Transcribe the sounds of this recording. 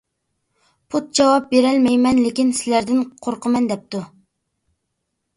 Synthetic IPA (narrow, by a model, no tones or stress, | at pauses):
pʰut̪̚d͡ʒɑwɑp̚beɾɛlmɛjmɛnlɪkʲinsɪlæɾd̪ɪnqʰoɾqʰəmɛnd̪ɛp̚t̪u